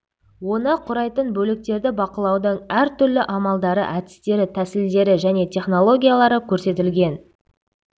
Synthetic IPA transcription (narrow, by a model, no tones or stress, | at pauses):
wo̞nəqʰʊɾɑjt̪ənbɵlɪk̚t̪e̞ɾd̪ɪbɑqəlˠɑwd̪əɴæɾt̪ʏɾlɪʔɑmɑlˠd̪ɑɾə̰ʔæd̪ɪ̥st̪e̞ɾɪt̪ʰæsɪld̪e̞ɾɪʒæne̞t̪ʲʰe̞χno̞lˠo̞ɡʲijalˠɑɾəkʲʰɵɾse̞t̪ɪlɡʲe̞n